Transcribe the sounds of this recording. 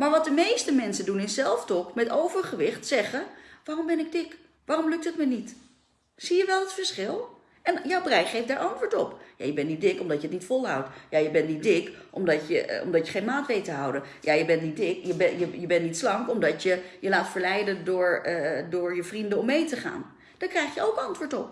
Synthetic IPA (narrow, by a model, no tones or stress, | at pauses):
maːɹʋɑt̚dəmejstəmɛnsəndunɪssɛlˠftɔkmɛtowvəɹχəʋɪχtsɛχəʋaːrɔmbɛnɪɡ̚dɪk | ʋaːrɔmlɵk̚tətmənit | sijəʋɛlˠətfəɹsχɪlˠ | ɛnjawbrɛjχejfdaːɹʔɑntʋəːɹtɔpja̰jəbɛntnidɪkɔmdɑtjəətnitfɔlˠɦɑwtjajəbɛntnit̚dɪkʔɔmdɑtjə̰ɔ̰mdɑtjəχejnmaːtʋejtəɦʌwdənjaːjəbɛntnit̚dɪkjəbɛjəjəbɛntnitslɑŋkɔmdɑtjəjəlaːtfəɹlɛjdəndʊːɹdʊːɹjəvrindəɔmːejtəχa̰ːn | d̥aːkrɛjχjəowkɑntʋʊːɹtɔp̚